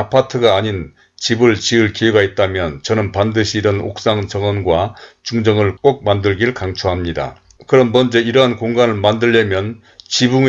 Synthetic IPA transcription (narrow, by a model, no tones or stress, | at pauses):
apʰatʰɯɡaːɲin | t͡ɕibɯɭt͡ɕiɯɭkiuɡait̚t͈amjʌnt͡ɕʌnɯnpandɯɕʰiːɾʌno̰k̚s͈aŋt͡ɕʌŋʌnɡwat͡ɕuŋd͡ʑʌŋɯɭk͈ok̚mandɯɭɡiɾɯɭkaŋt͡ɕʰuɦamɲida̰ | kɯɾʌmːʌnd͡ʑʌiɾʌɦankoŋɡanɯɭmandɯʎːʌmjʌn | t͡ɕibuŋ